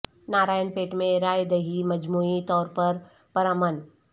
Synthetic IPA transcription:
naːɾaːjənpeːʈmẽɾaːjd̪ɐɦimɐd͡ʒmuːit̪ɔːɾpɐɾ | pɐɾaːmən

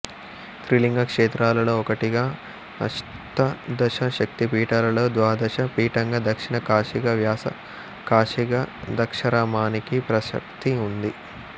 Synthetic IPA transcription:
t̪ɾiliŋɡɐkʂɛːt̪ɾaːlɐlo̞ːɔkɐʈiɡaː | ɐ̰ʂ | t̪ɐd̪ɐʃɐʃɐk̚t̪ipiːʈɐːlɐlo̞ːd̪ʋaːd̪ɐʃɐpiːʈɐŋɡɐd̪ɐkʂiɳɐkaːʂiɡɐʋjaːsɐ̰ | kaːʂiɡɐd̪ɐkʂɐɾaːmaːnikipɾɐʃɐ̰k̚t̪iund̪i

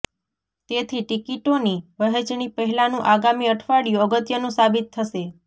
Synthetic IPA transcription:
t̪et̪ʰiʈikiʈoniʋəɦet͡ʃɳipəɦɛlanũʔaɡamiəʈʰʋaɽjuəɡət̪jənũsabit̪ʰːəʃe

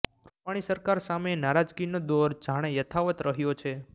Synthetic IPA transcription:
ɾupaɽ̃isəɾkaɾsamenaɾad͡ʒɡinod̪oɾd͡ʒaɽ̃ejət̪ʰaʋət̪ɾəɦjot͡ʃʰe

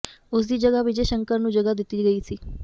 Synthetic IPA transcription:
ʊs̬d̪iːd͡ʒəɡaʋɪd͡ʒeʃəŋkəɾnũd͡ʒəɡad̪ɪt̪iɡəit͡ʃʰiː

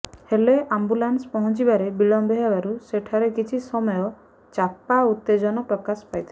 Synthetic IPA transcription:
heleʔambulanspɔɦɔt͡ʃibaɾebilɔmbɔɦebaɾuseʈʰaɾekit͡ʃʰisɔmɔjɔ | t͡ʃapaut̪ːed͡ʒɔnɔʈɔkaspajt̪ʰi

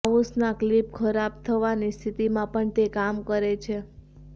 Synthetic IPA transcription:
usnaklipkʰəɾab̚t̪ʰəʋanist̪ʰit̪imãpəɳt̪ekamkəɾet͡ʃʰe

